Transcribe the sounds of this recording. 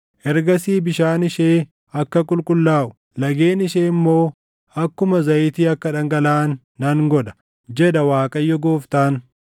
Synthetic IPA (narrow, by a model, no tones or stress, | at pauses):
ʔɛɾɡɐsiːbɪʃaːnɪʃeː | ɐkːɐkʼʊlkʼʊlːaːʔʊ̥ | lɐɡe̞ːnɪʃeːɪmːo̞ː | ɐkːʊmɐzɐjɪt̪iːɐkːɐᶑɐŋɡɐlaːnː | ɐŋɡɔᶑɐ̥ | d͡ʒɛᶑɐwaːkʼɐjːɔɡoːft̪aːn